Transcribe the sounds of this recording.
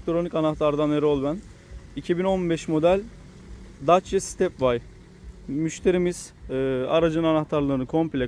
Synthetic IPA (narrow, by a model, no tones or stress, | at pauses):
k̚t̪ʰoɾo̞nicanaxt̪ʰaɾd̪aneɾolˠbæn | icʰibino̞nbɛʃmo̞d̪ælʲ | d̪at͡ʃjɛsi̥t̪ʰɛpvaj | myʃt̪ʰe̞ɾimiz̥a̰ɾad͡ʒɯnanaxt̪ʰaɾlˠɯːnɯkʰo̞mplʲɛ